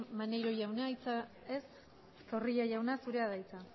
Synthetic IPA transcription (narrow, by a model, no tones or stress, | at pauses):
manejɾo̞ʝawnajt͡sa | es | so̞riʎaʝawnasuɾe̞aðajt͡sa